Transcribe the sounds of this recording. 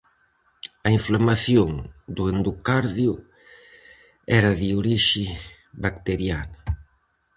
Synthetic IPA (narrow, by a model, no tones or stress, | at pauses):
ɐiɱflamaθjoŋd̪uend̪ukaɾðjʊ | ɛɾɐðɪoɾiʃɪ | βakt̪eɾjanɐ